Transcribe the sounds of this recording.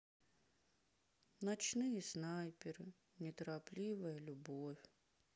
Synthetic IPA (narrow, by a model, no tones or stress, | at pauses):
nat͡ɕnɨjɛsnajpʲɪɾɨ | nʲɛt̪ɐɾaplʲiʋɐjɐlʲʊbofʲ